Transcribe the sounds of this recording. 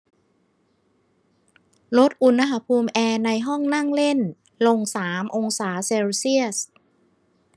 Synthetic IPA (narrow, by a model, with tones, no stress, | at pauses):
lo˦˥t̪̚ʔu˧nːa˦˥ɦa˩˦pʰuː˧mʔɛː˧na˧jɦɔ˥˩ŋna˥˩ŋle˥˩n | lo˧ŋsaː˩˦mʔo˧ŋsaː˩˦seː˧wsi˥˩əs